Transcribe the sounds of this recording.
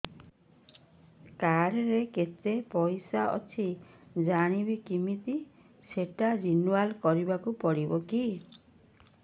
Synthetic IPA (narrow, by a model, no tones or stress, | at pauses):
kaɾɾeket̪epɔjsaʔɔ̰t͡ʃʰid͡ʒaɽ̃ibikimit̪i | seʈad͡ʒinuwalkɔɾibakupɔɽibɔki